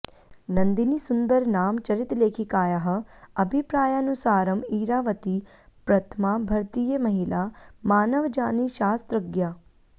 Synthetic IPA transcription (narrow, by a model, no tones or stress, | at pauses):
nɐnd̪inisʊnd̪əɾnaːmt͡ʃɐɾit̪leːkʰikaːjaɦə̆ɐbʱipɾaːjaːnusaːɾəmiːɾaːʋət̪i | pɾɐt̪ʰmabʱɐɾt̪ijəmɐɦilamaːnəʋd͡ʒaːniʃaːst̪ɾəɡjaː